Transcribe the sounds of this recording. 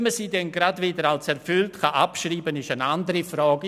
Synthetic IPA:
məsiːdɛnɡradviːdəɾalsɛɾfʏltχaʔapʃriːbənɪʃənandəɾifrɔːɡ

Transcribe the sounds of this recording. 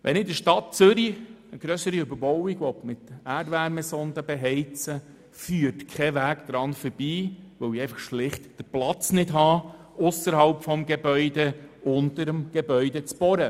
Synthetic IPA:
ʋʔɛnɪdəʃtɑt̚t͡sʏɾi | əɡ̥ɾœsəɾiʏbəɾbɔwiɡʋɔpmɪtæːdʋæɾmɛsɔndəbeɦɛɪt͡sə | fyːɾtkʰɛʋæːɡd̥̪ɾɑnfəɾb̥iːʋœwiɛɪfɑχʃlɪχtd̥əplɑt͡snɪdɦɑː | ʊsəɾɦɑlpfɔmɡebœʏdeʊndəɾəmɡ̥ebœʏdɛt͡sb̥ɔɾə

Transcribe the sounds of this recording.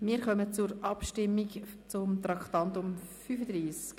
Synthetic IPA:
mɪːɾχœmət͡sʊɾʔɑpʃtɪmːikt͡sʊmt̪ɾɑkχt̪ɑnt̪ʊmfyfəd̪ɾiːsk

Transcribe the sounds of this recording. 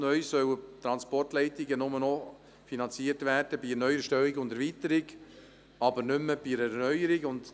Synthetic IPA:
nœʏsœwət̪ɾɑnspɔrtlɛɪtɪɡənʊmənɔ | finɑnt͡siəɾtvæːrd̥əbinœʏəʃtœwiɡʊndɛɾvit̪əɾɪɡ | ɑbəɾnʏmːəb̥iɾɛɾnœʏəɾiɡʊnd

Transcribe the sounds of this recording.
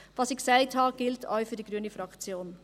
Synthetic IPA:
vɑːsɪçksaɪthɑːɡ̥ɪltʰɔ̰ʏfyːɐdiɡɾyːənəfɾɑkt͡sjoːn

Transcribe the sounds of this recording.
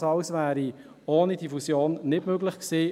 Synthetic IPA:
sɑʊsvæːɾi | oːnidifusjoːnːɪdmøɡlɪχksiː

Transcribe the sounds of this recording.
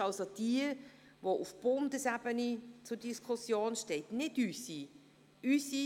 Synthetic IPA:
ɑlsod̥iə | voʔʊfb̥ʊmdəsæbənit͡sʊdiskʰʊsjoːnʃteɪtnɪdysi | ysi

